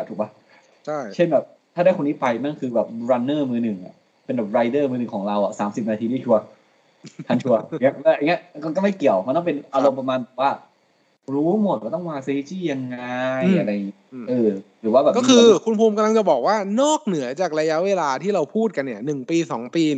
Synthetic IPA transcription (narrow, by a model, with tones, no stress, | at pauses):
t̪ʰuː˨˩ba˦˥ | t͡ɕʰa˥˩jt͡ɕʰe˥˩nbɛː˨˩p̚ | t̪ʰaː˥˩daː˥˩jko˧nːiː˦˥pa˧jma˥˩nkʰɯː˧bɛː˨˩p̚ɾa˧nːɤː˥˩mɯː˧nɯ˨˩ŋʔa̰˨˩ | pe˧nbɛː˨˩ɾa˧jdɤː˥˩mɯː˧nɯ˨˩ŋkʰːŋɾa˧wa̰˨˩sa̰ː˩˦msi˨˩p̚naː˧t̪ʰiː˧diː˥˩t͡ɕʰu˧ɐ | tʰa˥˩t͡ɕʰu˧ɐ˧˩i˦˥ɯː˥˩ʔa˧ŋi˦˥ɐ˧kɔ˧kɔ˥˩ma˥˩jki˨˩əwmʰɔ˧nɔ˥˩pe˧nʔa˧lo˧mpa˧maː˧nbɛː˨˩p̚waː˥˩ | ɾuː˦˥mo˨˩t̪̚a˨˩t̪ɔ˥˩ŋwaː˧se˧i˧˥t͡ɕiː˥˩ja˧ŋːa˧ja˧ɾa˧ja˨˩ŋi˦˥˧ʔɯː˧ɾɯː˩˦waː˥˩bɛː˨˩kɔː˥˩kʰɯː˧kʰu˧npʰuː˧mka˧la˧ŋt͡ɕa˨˩bɔː˨˩k̚waː˥˩nɔː˥˩k̚nɯ˨˩˦ɐt͡ɕaː˨˩k̚ɾa˧ja˦˥ʔweː˧laː˧t̪ʰiː˥˩ɾa˧wpʰuː˥˩t̪̚ka˧nːi˥˩ɐnɯ˨˩ŋpiː˧sɔ̰ː˩˦ŋpiː˧